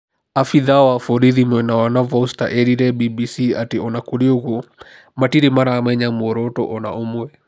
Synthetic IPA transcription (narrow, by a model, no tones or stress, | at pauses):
afiðawafɔɾiðimwɛnawanavɔsta̰ʔɛɾiɾɛbibisiateɔnakoɾeoɣo | matiɾemaɾaːmɛɲamwɔɾɔtɔ̰ʔɔna̰ʔomwɛ